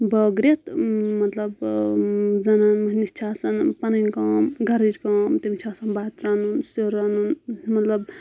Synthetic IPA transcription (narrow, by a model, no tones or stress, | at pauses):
bəɡɾet̪mɐt̪lɐb | d͡zɐnanmɐɦnist͡ʃʰaːsɐnpɐnɐnkaːmɡʱɐɾiɾkaːmt̪emit͡ʃʰaːsɐnbaːt̪ɾanunsoɾanunmɐt̪lɐb